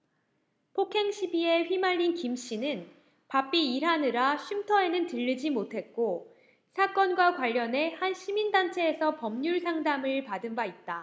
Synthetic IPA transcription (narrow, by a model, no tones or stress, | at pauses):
pʰokʰe̞ŋɕʰibie̞ɸɥimaʎːinkimɕ͈inɯn | pap͈iːɾɦanɯɾaɕʰimtʰʌe̞nɯntɯʎːɯd͡ʑimotʰe̞t̚k͈o | sʰak͈ʌnɡwakwaʎːʌne̞hanɕʰimindant͡ɕʰe̞ːsʰʌpʌmɲuɭsʰaŋdamɯɭpadɯmbait̚t͈a